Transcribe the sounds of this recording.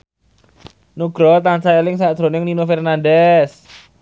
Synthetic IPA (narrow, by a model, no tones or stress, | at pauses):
nuɡ̥ɾɔt̪ansaelɪŋsaʔd̥ʒ̥ɾo̤nɪŋninofɛrnandɛs